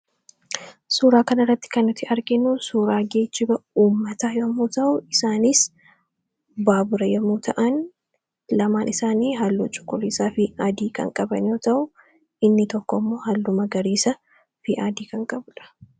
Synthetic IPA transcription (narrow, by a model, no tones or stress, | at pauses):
suːɾaːkɐnɐrːɐt̪ːɪ̥kɐnːʊt̪ɪʔɐɾɡɪnuːsuːɾaːɡeːt͡ʃːɪbɐuːmːɐt̪aːjomːuːt̪ɐʔʊɪsaːniːs | baːbʊɾɐjɐmːuːt̪ʰɐʔɐn | lɐmaːnʔɪsaːniːɦɐlːṵːt͡ʃʼʊ̥kʼːʊliːsaːfɪɐd̪iːkɐ̰ŋkʼɐbɐ̰njoːt̪ɐʔʊ | ʔɪnːɪt̪ɔkːɔmːo̞ːɦɐlːʊmɐɡɐɾiːsɐ | fɪʔad̪iːkɐŋkʼɐbʊᶑɐ̥